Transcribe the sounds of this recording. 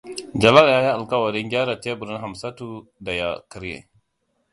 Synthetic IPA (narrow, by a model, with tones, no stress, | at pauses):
d͡ʒa˨la˦lja˦ji˦ʔa˨lka˦wɐ˨ɾɪ˦ŋɡʲaː˦ɾa˨te˦bu˨ɾi˦nɦa˨msa˦tu˦da˨ja̰˨ki˦ɾjḛ˨